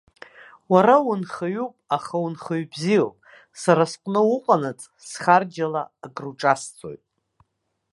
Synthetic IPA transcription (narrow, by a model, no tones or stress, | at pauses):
waɾawʊnχaɥupʼaχawunχaɥbzijopʼ | saɾasqʷʼnɨʊqʷʼanat͡sʼsχard͡ʒala̰ːɡruʈ͡ʂʼast͡sʰʼo̰jtʼ